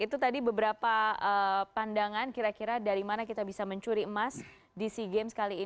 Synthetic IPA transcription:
it̪ut̪adibəbəɾapaəpandaŋankiɾakiɾadaɾimanakit̪abisaməɲt͡ʃuɾiəmas | disiɡemsə̥kaliː

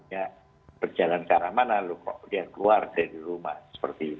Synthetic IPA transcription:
dia | b̥ərd͡ʒalankaɾamanalukɔ̰ʔdiakəluardaɾiɾumahsə̥pərt̪iːt̪

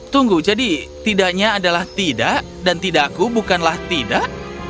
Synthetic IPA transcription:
t̪uŋɡud͡ʒadit̪idaʔɲaːdalaht̪idaʔ | dant̪idaʔkubukanlaht̪idaʔ

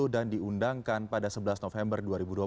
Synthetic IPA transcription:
udandiundaŋkanpadasəbəlasnofɛmbərduaɾibudua

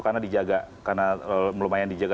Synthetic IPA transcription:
karnadid͡ʒaɡakarnaməlomajandid͡ʒaɡa

